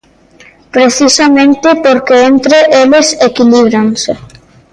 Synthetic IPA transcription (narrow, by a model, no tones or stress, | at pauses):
pɾeθisamẽnt̪ɪpoɾkeent̪ɾeʔelesekiliβ̞ɾanse